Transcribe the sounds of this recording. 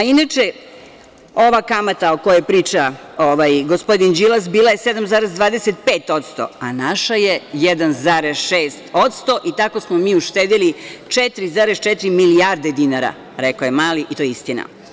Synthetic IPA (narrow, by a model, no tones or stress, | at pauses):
ainat͡ʃe | o̞ʋakamat̪aokojepɾiːt͡ʃa | oʋajɡo̞spo̞d̪ind͡ʒilˠasbiːlˠaje̞se̞d̪amzaːɾezd̪ʋaːd̪eset̪̚peːt̪o̞t̪st̪o̞̰anaʃaje̞jed̪anzaɾezʃeːst̪o̞t̪st̪o̞ʔit̪ako̞smomiːuʃt̪eːd̪ilit͡ʃet̪ɾizaːɾest͡ʃet̪ɾimiliaɾd̪e̞d̪inaɾa̰ | ɾekojemaːliʔit̪o̞jist̪ina̰